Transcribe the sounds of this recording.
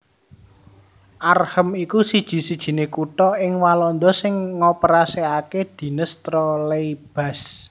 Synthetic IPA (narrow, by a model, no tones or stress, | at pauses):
ʔarhəmikusid̥ʒ̥i̤sid̥ʒ̥i̤nekuʈɔɪŋwalɔnd̪ɔsɪŋːɔpəɾaseaked̪̥i̤nəst̪ɾɔleib̥a̤s